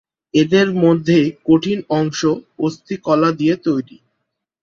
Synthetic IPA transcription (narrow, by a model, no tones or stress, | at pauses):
ed̪eɾmod̪ʱːekoʈʰinɔŋʃoost̪ʰikɔlad̪ijet̪ojɾi